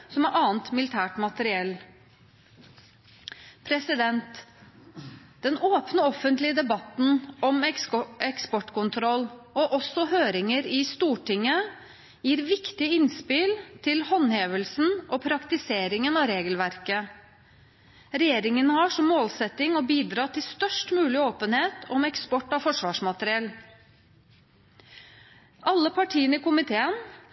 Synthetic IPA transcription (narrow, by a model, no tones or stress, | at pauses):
sɔmæɾʔɑːnt̪mɪlɪt̪ʰæːʈmɑt̪əɾɪɛlː | pʰɾɛsɪd̪ɛnt̪ | d̪̥ɛnoːpnəɔfənt̪lɪəd̪ɛbɑt̪n̩ɔmɛɛkspɔʈkʊnt̪ʰɾɔlɔʔɔsɔhøːɾɪŋəɾɪst̪uːʈɪŋːə | jiːɾʋɪkt̪ɪəɪnspɪlt̪ʰɪlhɔnheːʋəlsn̩ʔɔpʰɾɑkt̪ɪseːɾɪŋənɑʋɾeːɡəlʋæɾkə | ɾɛjeːɾɪŋənəhɑʂɔmːoːlsɛt̪ɪŋɔbiːd̪ɾɑːt̪ʰɪlst̪œʂʈmʉːlɪoːpənheːt̪ʰɔmɛkspɔʈːɑfɔʂʋɑːʂmɑt̪əɾɪɛl | ʔɑlːəpʰɑʈʰiːənəɪkʊmɪt̪ʰeːən